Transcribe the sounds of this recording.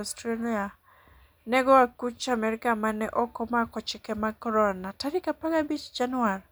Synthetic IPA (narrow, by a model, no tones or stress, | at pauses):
stɾalia | nɛɡɔakut͡ʃamɛɾikamanɛʔɔkɔmakɔt͡ʃɪkɛmakɔɾɔnataɾikapaɡabit͡ʃd͡ʒanaɾ